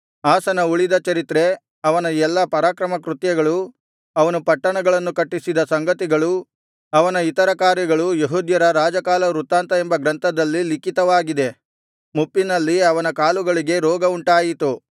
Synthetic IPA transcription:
aːsɐnɐuɭid̪ɐt͡ʃɐɾit̪ɾe̞ | ɐʋɐnɐɛlːɐpɐɾaːkɾɐmɐkɾut̪jɐɡɐɭu | ɐʋɐnupɐʈːɐɳɐɡɐɭɐnːukɐʈːisid̪ɐsɐŋɡɐt̪iɡɐɭu | ɐʋɐnɐit̪ɐɾɐkaːɾjɐɡɐɭujeɦuːd̪jɐɾɐɾaːd͡ʒɐkaːlɐɾut̪aːnt̪ɐembɐɡɾɐnt̪ʰɐd̪ɐlːilikit̪ɐʋaːɡid̪e̞ | mupːinɐlːiɐʋɐnɐkaːluɡɐɭiɡe̞ɾɔːɡɐuɳʈaːjit̪u

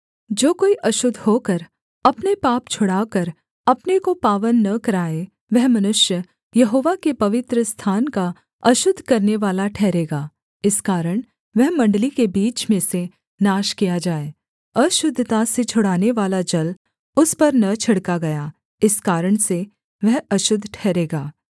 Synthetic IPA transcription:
d͡ʒoːkoːiʔɐʃʊd̪ʱɦoːkɐɾ | ɐpnepaːpt͡ʃʰʊɽaːkɐɾ | ɐpnekopaːʋənːɐkɐɾaːe | ʋɛɦmɐnʊʃjə | jɐɦoːʋakepɐʋɪt̪ɾəst̪ʰaːnka | ɐʃʊd̪ʱkɐɾneʋaːlaʈʰɛːɾeːɡaː | ɪskaːɾəɽ̃ | ʋɛɦmɐ̃ɳɖlikebiːt͡ʃmẽse | naːʃkijad͡ʒaːeː | ɐʃʊd̪ʱːt̪aset͡ʃʰʊɽaːneʋaːlad͡ʒɐl | ʊspɐɾnɐt͡ʃʰɐɽkaɡɐjaː | ɪskaːɾəɽ̃se | ʋɛɦɐʃʊd̪ʱːʈʰɛːɾeːɡaː

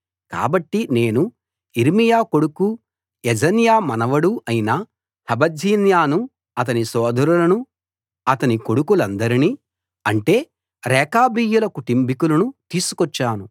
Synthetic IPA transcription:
ka̰ːbɐʈːine̞ːnu | iɾmijaːko̞ɽuku | ɛd͡ʒɐnjaːmɐnɐʋɐɽuʔɐjinɐ | hɐbɐd͡ʒʱiːnjaːnu | ɐt̪̬ɐnisɔːd̪ʱɐɾulɐnu | ɐt̪ɐniko̞ɽukulɐnd̪ɐɾiniː | ɐɳʈe̞ː | ɾɛːkaːbiːjulɐkuʈimbikulɐnut̪iːsu̥kɔt͡ʃːaːnu

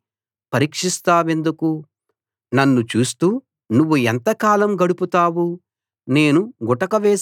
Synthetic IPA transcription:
pɐɾiːkʂist̪aːʋe̞nd̪uku | nɐnːut͡ʃuːst̪uː | nuʋːuɛnt̪ɐkaːlɐmɡɐɽuput̪aːwu | ne̞ːnuɡɔʈɐkɐʋɛː

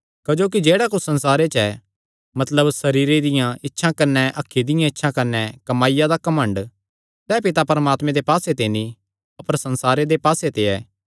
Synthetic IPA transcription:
kɐd͡ʒoːk̬id͡ʒeːɽakʊsɐ̃nsaːɾet͡ʃɛ | mɐt̪ləbsɐɾiːɾed̪ɪjãɪtːʃʰãkɐɾnɛʔɐkʰːid̪ɪjãɪtːʃʰãkɐɾnɛkɐmaːɪjad̪akɐmə̃ɳɖ | sɛːpɪt̪apɐɾɐmaːt̪mɛ̃d̪epaːset̪enĩ | ɐpəɾsɐ̃nsaːɾed̪epaːset̪eɛː

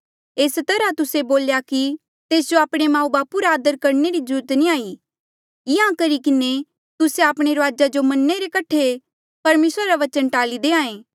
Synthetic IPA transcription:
eːst̪ɐɾat̪ʊseboːljaki | t̪eːs̬d͡ʒoaːpɽ̃emãːubaːpuɾaːd̪əɾkɐɾneɾid͡ʒʊɾt̪niaːi | jɪãkɐɾikɪne | t̪ʊseaːpɽ̃eɾəʋaːd͡ʒad͡ʒomɐnːeɾekɐʈʰe | pɐɾmeːsɾaɾaʋɐt͡ʃə̃nʈaːlid̪eːãːẽː

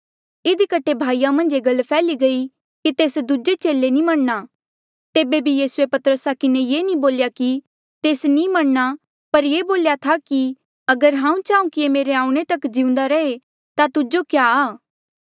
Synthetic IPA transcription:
ɪd̪ikəʈʰːebʱaːijamɐ̃nd͡ʒeɡɐlpʰɛːliɡɐi | kit̪eːsd̪ʊd͡ʒet͡ʃeːlenĩmɐɽ̃na | t̪eːbebʱijiːsʊepɐt̪əɾəsakɪnejeːnĩboːljaki | t̪eːsnimɐɽ̃na | pɐɾjeːboːljat̪ʰaki | ɐɡəɾɦãːũt͡ʃaːũkiemeːɾeãːũɽ̃et̪ɐkd͡ʒɪ̃ʊ̃nd̪aɾɐe | t̪at̪ʊd͡ʒokjaːaː

